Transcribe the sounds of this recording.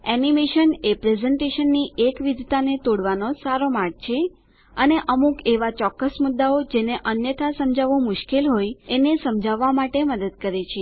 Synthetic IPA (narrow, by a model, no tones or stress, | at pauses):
ɛnimeʃənepɾezɛɳʈeʃənːiʔekʋid̪ʱt̪anet̪oɽʋanosaɾomaɾɡ̚t͡ʃʰe | əneʔəmukeʋat͡ʃɔkːəsmʊd̪ːaod͡ʒeneʔənjət̪ʰasəmd͡ʒaʋũmʊʃkelɦojenesəmd͡ʒʱaʋːamaʈeməd̪əd̪̚kəɾet͡ʃʰe